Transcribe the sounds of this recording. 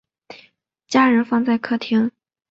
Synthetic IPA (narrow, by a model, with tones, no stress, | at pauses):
t͡ɕja˥ɻə˧˥nfɑ˥˧ŋt͡sa˥˩ɪkʰɤ˥t̪ʰjɛ˧˥n